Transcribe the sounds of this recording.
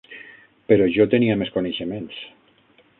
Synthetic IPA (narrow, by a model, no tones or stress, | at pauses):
peɾoʒot̪eniameskoneʃemens